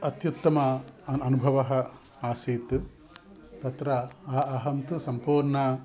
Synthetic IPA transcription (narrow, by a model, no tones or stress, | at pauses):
ɐt̪jut̪ːɐmɐɐnubʱɐʋɐɦɐ̆ | aːseːt̪ | t̪ɐt̪ɾɐɐːɦɐmt̪usɐmpuːɾɳɐ